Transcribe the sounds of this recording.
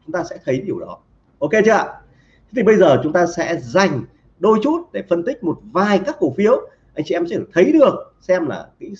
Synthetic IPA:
t͡ɕʊ˨˦ŋ͡mt̪aː˧sɛ̰˧˥t̪ʰə˨˦jɗi˨˩əwɗɔ˨˦ | ʔo˧ke˧t͡ɕɨ˦˥a̰˧˨˦ | t̪ʰi˨˩ɓə˧jzəː˨˩t͡ɕʊ˨˦ŋ͡mt̪aː˧sɛ̰˧˥za˨˩jŋ̟ | ɗo˧jt͡ɕu˦˥t̚ɗe˧˩fə˧nt̪ï˦˥k̟̚mo˨˩t̚vaː˨˩jkaː˦˥kːo˧˩fi˨˦əw | ʔa˧jŋ̟t͡ɕi˧ʔɛ˧mt͡ɕə˧˩t̪ʰə˨˦jɗɨ˨˩ək̚ | sɛ˧mla̰ː˨˩kḭ˧˥

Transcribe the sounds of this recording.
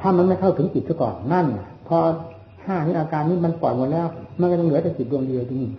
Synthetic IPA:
t̪ʰaː˧˩ma˧nma˧˨t̪ʰwt̪ʰɯ˨˦ŋt͡ɕi˨˩t̪sʰa˧˩kɔ̰ː˨˩nna˧˥˩nːa˧˩pʰɔ˧ | hʰaː˧˩nʰiː˧˥˨ʔaː˧kaː˧nniː˧˥˩ma˧˨npɔː˨˩ŋo˧˨nlɛː˧˥˩wma˧n˨kɔ˧˩a˧ŋlɯ˩˦ɐ˦t̪a˧˩t͡ɕi˨˩t̪̚ɾu˧əŋdi˧a˧t̪ʰi˧niː˧˩˨

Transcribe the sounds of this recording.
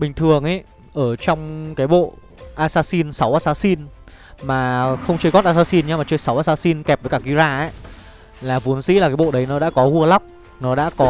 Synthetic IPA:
ɓï˨˩ŋ̟t̪ʰɨ˨˩əŋʔa˨˦ | ʔəː˧˩t͡ɕɔ˧wŋ͡mkaː˨˦jɓo̰˧˨ | ʔaː˧saː˧si˧nsa˨˦wʔaː˧saː˧si˧n | maː˨˩xə˧wŋ͡mt͡ɕə˧jɣɔ˦˥t̚ʔaː˧saː˧si˧nɲa˧maː˨˩t͡ɕəː˧jsa˨˦wʔaː˧saː˧si˧nk̪ɛ˨˩p̚vəː˨˦jkaː˧˩i˧˦zaː˧˩ʔa˨˦ | laː˨˩vu˨˦ənzḭ˧˥laː˨˩kaː˨˦jɓo̰˧˨ɗə˨˦jnɔ˨˦a̰ː˧˥kɔ˨˦ɣu˧əla˦˥wk͡p̚ | nɔ˨˦ɗa̰ː˧˥kɔ˨˦

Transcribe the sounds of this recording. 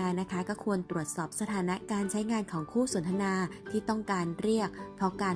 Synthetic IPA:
aː˧na˦˥kʰa˦˥kɔː˥˩kʰu˧ənt̪ɾu˨˩ət̪̚sɔː˨˩p̚sa˧t̪ʰaː˩˦na˦˥kaː˧nt͡ɕʰa˦˥jŋaː˧nkʰɔː˩˦ŋkʰuː˥˩so˩˦nt̪ʰa˧naː˧t̪ʰiː˥˩t̪ɔ˥˩ŋkaː˧nɾi˥˩ək̚pʰːɔ˦˥kaː˧

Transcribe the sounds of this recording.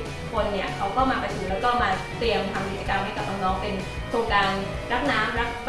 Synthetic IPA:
kʰo˧nːi˥˩ɐkʰa˦˥wkʰa˥˩wmaː˧pa˧jt̪ʰu˨˩˦lɛː˦˥wkɔː˥˩maː˧ | t̪ɾi˧əmt̪ʰa˧mki˦˩t̪t͡ɕa˧ka˧mha˥˩jka˨˩p̚ʔaː˧˩nɔː˦˥ŋpe˧n | t̪ʰu˧ŋkaː˧n | ɾa˦˥k̚naː˦˥mɾa˦˥k̚p

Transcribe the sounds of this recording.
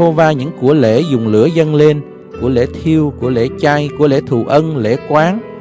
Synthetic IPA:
o˧vaː˧ɲɨ̰˧˥ŋku˧˩əlḛ˧˥zʊ˨˩ŋ͡mlɨ̰˧˥əzə˧nle˧n | ku˧˩əlḛ˧˥t̪ʰi˧əwku˧˩əlḛ˧˥t͡ɕa˧jku˧˥əlḛ˧˥˦t̪ʰṵ˧˩˨ʔə˧nlḛ˧˥kwaː˨˦ŋ

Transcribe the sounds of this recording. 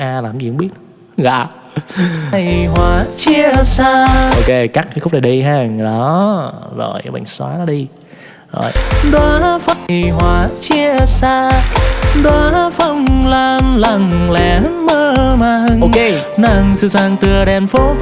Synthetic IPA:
ʔaː˧˩laː˨˩˨zi˨˩hə˧˦ŋ͡mɓi˦˥ət̚ | ɣa̰ː˧˨˩ | jhwaː˨˩t͡ɕi˧əsaː˧ʔo˧ke˧kaː˦˥k̚kə˨˦xʊ˦˥k͡p̚na˨˩jɗi˧ɦaː˧ŋɗɔ˨˦zo˨˩jɓa̰˧˨jŋ̟swa̰ː˨˦nɔ˨˦˥ɗi˧ | zo̰˨˩jɗa˨˦fa˧jɦwaː˨˩t͡ɕi˧əsaː˧ | ɗwɔ˨˦fə˧˩wŋ͡mlaː˨˩mla˨˧˩ŋlɛ˨˩˦məː˧maː˨˩hɨ˧˩ŋo˧ke˧ | na˧˩ŋsɨ˧zaː˧˩ŋt̪ɨ˨˩əɗɛ˨˩nfo˨˦

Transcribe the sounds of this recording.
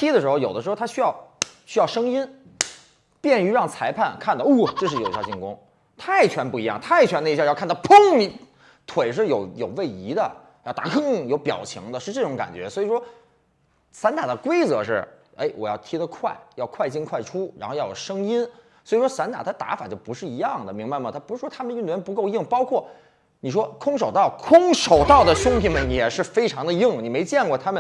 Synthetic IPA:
t̪ʰi˥d̪ə˨ʂɻ̩˧˥xo˥˧ʊjo˨˩ʊdəʂɻ̩˧˥˧t̪ʰa˥ɕy˥jɑ˥˩ʊɕy˥jɑ˥˩ʊʂɤ˥ŋi˥n | pjɛ˥˩ny˧˥ɻɑ˥˩ŋt͡sʰa˧˥ɪpʰa˥˩nkʰa˥˩nd̪ɑ˧˩u˥˩ʈ͡ʂɤ˥˧ʂɻ̩˥˩o˨˩i˥˩jt͡ɕi˥˩nkʊ˥ŋ | t̪ʰa˥˩ɪt͡ɕʰɥɛ˧˥npu˥˩i˧˥jɑ˥˩ŋt̪ʰa˥˩ɪt͡ɕʰɥɛ˧˥nd̪ə˧˥˧jɑ˥˧kʰa˥˧nt̪a˥ʊpʰʊ˥ŋmi˧˥˩ | t̪ʰwe˨˩ɪʂ̬ɻ̩˥˩jo˧˥ʊjo˨˩ʊwe˥˩ɪi˧˥d̪ə˧˨ | jʊt̪a˧˥kɤ˥jo˧˥ʊpjɑ̰˨˩ʊt͡ɕʰḭ˧˥ŋd̪ə˧ʂɻ̩˥˧ʈ͡ʂɤ˥˩ʈ͡ʂʊ˧˥ŋka̰˨˩nt͡ɕɥɛ̰˧˥swɔ˧˥i˨˩ʂwɔ˥ | sa˧˥nt̪a˨˩d̪ə˦kwe˥ɪt͡sɤ˧˥ʂɻ̩˥˩ | ḛ˥˩ɪwɔ˨˩jɑ˥˩ʊt̪ʰi˥d̪ə˧kʰwa̰˥˩ɪjɑ˥˧ʊkʰwa˥˧ɪt͡ɕi˥˧nkʰwa˥˩ɪʈ͡ʂʰu˥ɻa˧˥xjɑ˥˩jo̰˨˩ʂɤ˥ŋi˥n | swɔ˧˥i˨˩ʂwɔ˥sa˧˥nt̪a˨˩t̪ʰa˥t̪a̰˧˥fa˨˩t͡ɕjo˥˩pu˧˥ʂɻ̩˥˩i˧˥jɑ˥˩ŋd̪ə˩mi˧˥ŋba˧ɪmə˨˩t̪ʰa˥pu˧˥ʂɻ̩˥˩ʂwɔ˥t̪ʰa˥mə˨ny˥˩nɥɛ˧˥npu˧˥ko˥˧ʊji˥˩ŋpɑ˥ʊkʰwɔ˥˩ | ni˨˩ʂ̬wɔ˥kʰʊ˥ŋʂ̬o˨˩ʊt̪ɑ˥˩ʊkʰʊ˥ŋʂo˨˩ʊt̪ɑ˥˩ʊd̪ə˩ɕʊ˥ŋp̪ʰi˧˥˩mə˩ni˨˩jɛ˨˩ʂɻ̩˥˩fe˥ɪʈ͡ʂʰɑ˧˥ŋd̪ə˧ji˥˩ŋni˨˩me˧˥ɪt͡ɕjɛ˥˧nkwɔ˥˧˩t̪ʰa˥mə˨n

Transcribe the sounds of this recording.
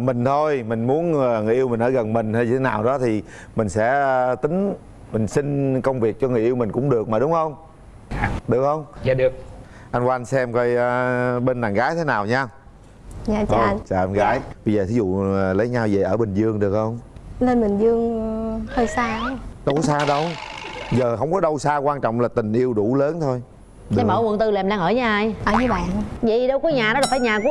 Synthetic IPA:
mï˨˩ŋ̟t̪ʰo˧jmï˨˩ŋ̟mu˨˦ənː˨˩ŋɨ˨˩ʔi˧wmï̟˨˩ʔəː˧˩ɣə˨˩nmï˨˩ŋ̟t̪a˧ji˧˩e˨˦naː˨˩wɗɔ˨˦t̪ʰi˨˩ | mï˨˩ŋ̟sɛ̰˧˥t̪ï˨˦ŋ̟ | mï˨˩ŋ̟sï˧ŋ̟kə˧wŋ͡mvi˨˩ək̚t͡ɕɔ˧ŋɨ˨˩əʔi˧wmï˨˩ŋ̟kʊ̰˧˥ŋ͡mɗɨ˨˩ək̚maː˨˩ɗʊ˨˦ŋ͡mhə˧wŋ͡m | ɗɨ˨˩ək̚hə˧wŋ͡ma˧˨ɗɨ˨˩ək̚ | ʔa˧jnwa˧nsɛ˧mkə˧jʔːɓe˧nːaː˨˩nɣaː˨˦jt̪ʰe˨˦naː˨˩wɲaː˧ | ɲaː˧˨t͡ɕːʔt͡ɕaː˨˩ʔa˧nɣaː˨˦jɓə˧zəː˨˩i˨˦zṵ˧˨˩lə˨˦jɲaː˧wze˨˩ʔəː˧˩ɓë˨˩ŋ̟zɨ˧əŋɗɨ˨˩ək̚hə˧wŋ͡mle˧nmï˨˩ŋ̟zɨ˧əŋhəː˧jsaː˧˨˧ɗo˧˦saː˧ɗə˧wzəː˨˩hɦə˧wŋ͡mkɔ˨˦ɗə˧wsaː˧kwaː˧nt͡ɕɔ̰˧˨wŋ͡mlaː˨˩t̪ï˨˩ŋ̟ʔi˧əwɗu˧˩ləː˨˦nt̪ʰo˧j | ɗa˧˩məː˧˩wə̰˨nt̪ɨ˨˩laː˨˩mɗaː˧ŋʔəː˧˩ɲaː˨˩ʔjʔəː˧˩zɨ˨˦ɓa̰ː˧˨nzḭ˧˨ɗə˧wkɔ˨˦ɲaː˨˩nɔ˨˦aː˨˩faː˧˩jɲaː˨˩ku˧˥

